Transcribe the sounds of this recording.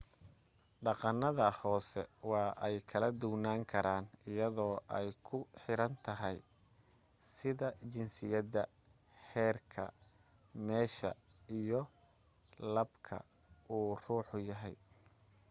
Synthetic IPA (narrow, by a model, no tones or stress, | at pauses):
ɖɑqɑnːɐðɐhɔːsɛ̰wɑːʔɛjkʰɐlɐd̪ʊɡnaːŋkʰɐɾaːnɪjɐðɔːʔɛjkʰʊħɪɾɐnt̪ʰɐɦɛj | sɪðɐt͡ʃɪnsɪjɐðɐ | hɛːrkʰɐ̰ | mɛːʃɐ̰ | ijɔ | lɐbkʰɐ̰ | ʔuːr̥uːħʊjɐɦɛj